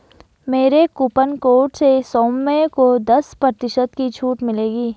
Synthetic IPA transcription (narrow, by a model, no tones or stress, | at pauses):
meːɾekuːpənkoːʈsesoːmːẽkod̪ɐspɾɐt̪ɪʃəd̪kit͡ʃʰuːʈmɪleːɡiː